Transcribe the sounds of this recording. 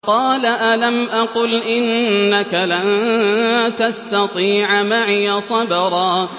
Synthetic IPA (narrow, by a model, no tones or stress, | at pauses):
qɑːlaʔalamʔɑqʊlʔɪnːakalan | t̪ast̪ɑt̪ˤiːʕmaʕɪjasˤɑbɑɾˤɑː